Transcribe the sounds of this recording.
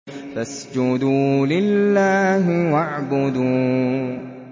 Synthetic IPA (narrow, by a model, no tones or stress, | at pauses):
fasd͡ʒʊd̪uːlɪlːaːɦɪwaʕbʊd̪uː